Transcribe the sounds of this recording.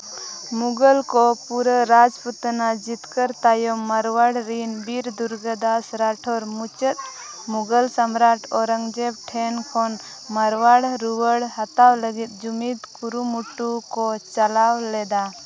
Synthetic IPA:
muɡəlkɔpuɾəɾad͡ʒput̪nad͡ʒit̪kəɾt̪ajɔmːəɾwaɽɾinbiɾd̪uɾɡəd̪asɾaʈʰɔɾmut͡ʃət̪̚ | muɡəlsəmɾaʈʰɔɾəŋd͡ʒɛb̚ʈʰɛnkʰɔn | məɾwaɽɾuwəɽhat̪awləɡit̪̚d͡ʒumit̪kuɾumuʈːukɔt͡ʃəlawlɛd̪a

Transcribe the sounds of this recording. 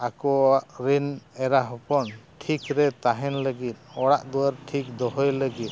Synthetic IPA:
akɔaʔɾinɛɾaɦɔpɔnʈʰikɾɛt̪aɦɛnləɡit̪̚ɔɽaʔd̪ɔwaɾʈʰik̚d̪ɔɦɔjləɡit̪̚

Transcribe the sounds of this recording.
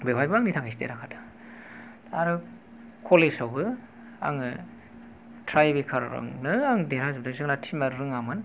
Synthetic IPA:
bebajbɯaŋnitʰakʰastḛɾakʰadḁ | aɾɯ | kʰolesawbɯ | a̰ŋɯ | tʰɾajbikʰaɾa̰ɾɯ̰ŋnɯaŋdeɾazɯbdɯzɯŋnatʰimaɾɾɯŋamɯn

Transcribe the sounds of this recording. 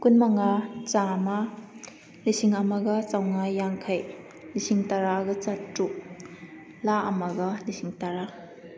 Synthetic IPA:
kunmaŋat͡ʃama | lisiŋɐmɐɡɐt͡ʃawŋajːaŋkʰaj | nisiŋtaɾaɡɐt͡ʃatɾuk̚ | laʔɐmɐɡɐnisiŋtaɾa

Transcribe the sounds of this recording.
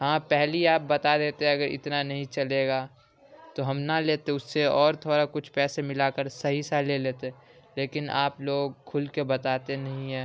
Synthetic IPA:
hãːpɛɦliaːp̚bɐt̪ad̪eːt̪eɦɛ̃ɐɡəɾɪ̰t̪nanɐɦĩt͡ʃɐleːɡaː | t̪oɦɐmnaleːt̪eʊsːeɔːɾt̪ʰoːɾakʊt͡ʃʰpɛːsemɪlakəɾsɐɦisaleleːt̪e | leːkɪna̰ːploːɡ̚kʰʊlkebɐt̪aːt̪enɐɦĩɦɛ̃ː

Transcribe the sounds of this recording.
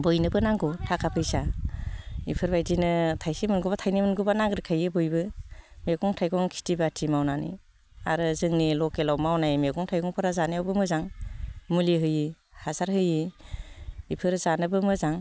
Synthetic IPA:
bɯjnɯbɯnaŋɡɔtʰakʰapʰɯjsa | ḭpʰɯɾbajdinɯtʰajsimɯnɡubatʰajnimɯnɡubanaŋɡɾɯkʰajɯbɯjbɯmeɡɔŋtʰajɡɔŋkʰi̥tibatʰimawnanḭ | aɾɯzɯŋnilɔkelawmawnajmeɡɔŋtʰajɡɔŋpʰɯɾazanɯjawbɯmɯzaŋmuliɦɯjihazaɾhɯji | ipʰɯɾzanɯbɯmɯzaŋ

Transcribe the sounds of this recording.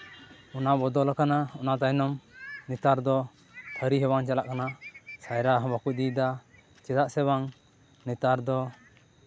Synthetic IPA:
ɔnabɔd̪ɔlakanaɔnaʔt̪ajnɔmnit̪aɾd̪ɔ | t̪ʰəɾiɦɛbaŋt͡ʃalaʔkanasajɾaɦɔ̃bakuʔ̚d̪id̪a | t͡ʃɛd̪aʔsɛbaŋ | nit̪aɾd̪ɔ

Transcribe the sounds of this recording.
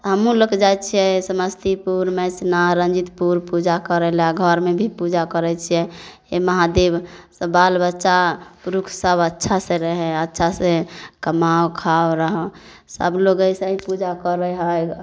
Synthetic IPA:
ɦəmũləkd͡ʒajt͡ʃʰijɛsəməst̪ʰipuɾmesnaɾə̃nd͡ʒit̪puɾpud͡ʒakəɾɛlaɡʱəɾmebʱipud͡ʒakəɾɛt͡ʃʰijɛ | eməɦad̪ebsəbalbətːʃapuɾukʰsəbətːʃʰasẽɾəɦɛətːʃʰasẽkəmaokʰaoɾəɦɛ | sə̰bloɡəjsəĩpud͡ʒakəɾɛɦəj

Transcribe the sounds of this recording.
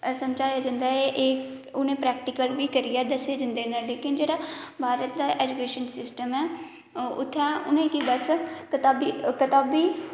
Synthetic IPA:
səmd͡ʒaːjaːd͡ʒə̃nd̪aːeʔeː | ʊnẽːpɾɛːk̚ʈɪkəlʋiːkəɾijɛːd̪əseːd͡ʒənd̪eːnaːleːkɪnd͡ʒeːɽaːbʱaːɾət̪̚d̪aːʔeːd͡ʒukeːʃənsɪsʈəmɛː | ʊ̰t̪ʰːɛːʊ̰nẽːkibəskət̪aːbikət̪aːbiː

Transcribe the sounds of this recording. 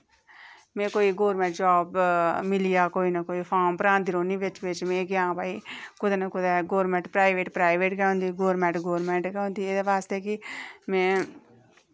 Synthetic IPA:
mẽːkoːiɡoːɾmẽɳʈ̚d͡ʒaːbmɪlijaːkoːinɐkoːipʰaːmpɾãːnd̪iːɾõːnĩʋɪt͡ʃʋɪt͡ʃmẽːɡjãːbaːikʊd̪ɛnɐkʊd̪ɛɡoːɾmẽːɳʈpɾaːɪʋeːʈpɾaːɪʋeːʈɡɛõːnd̪iɡoːɾmẽɳʈɡoːɾmẽɳʈkɛõːnd̪ied̪eʋaːst̪ekimẽː

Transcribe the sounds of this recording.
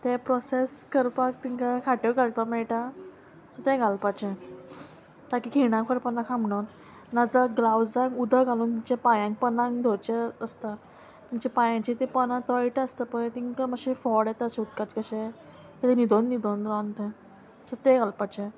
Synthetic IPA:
t̪ɛpɾɔseskəɾpak̚t̪iŋkakʰaʈekalpakmɛɭʈa | sɔt̪ɛ̃ɡʱalpat͡ɕɛ | t̪akikʰiɽ̃ãŋkfʰəɾpənãkʰãm̤ɽon | nad͡zaɡlawd͡zãŋud̪ʱəɡaluːnt̪iɲt͡ɕapajãŋk̚pənãŋd̪ʱot͡ɕɛəst̪a | t̪iɲt͡ɕapajãt͡ɕit̪epənãt̪aiʈəəst̪əpəɳt̪iŋkaməɕifɔɽjɛt̪əɕeut̪̚kat͡ɕkəɕɛ | et̪enid̪ʱonːid̪ʱonɾɔnt̪e | sɔt̪ɛ̃ɡalpat͡ɕɛ

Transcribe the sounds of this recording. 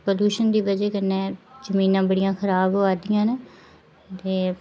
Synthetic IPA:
poluːʃənd̪iːbəd͡ʒeːkəneːzəmĩːnãːbəɽijãːkʰəɾaːbɦoːaːd̪ɪjãːne | t̪eː

